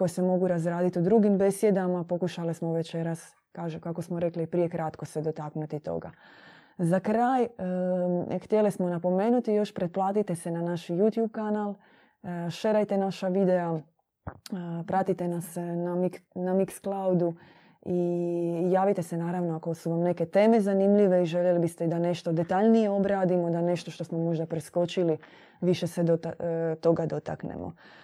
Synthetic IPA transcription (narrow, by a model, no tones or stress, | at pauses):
ko̞jesemo̞ɡuɾazɾaːd̪it̪iud̪ɾuɡimbe̞sje̞d̪amapo̞kuʃalismoʋe̞t͡ʃe̞ɾas | kaːʒukako̞smoɾe̞klipɾije̞kɾat̪ko̞sed̪o̞t̪aknut̪it̪o̞̰ɡa̰ | zakɾaːj | xt̪jelismonapo̞me̞ːnut̪ijo̞ʃpɾeplˠaːt̪it̪e̞se̞nanaʃjut̪juːb̚kanalˠ | ʃe̞ɾajt̪e̞naʃaʋid̪e̞a | pɾat̪it̪e̞nasnamiknamiksklawd̪u | ijaːʋit̪e̞se̞naːɾaʋnoako̞suʋamne̞ke̞t̪e̞ːme̞zanimʎiʋe̞iʒeʎjelibist̪eid̪ane̞ʃt̪o̞d̪e̞t̪aʎnije̞o̞bɾaːd̪imod̪ane̞ʃt̪o̞ʃt̪o̞smo̞mo̞ʒd̪apɾesko̞t͡ʃili | ʋiʃe̞sed̪ot̪at̪o̞ɡad̪o̞t̪a̰knḛmʔo̰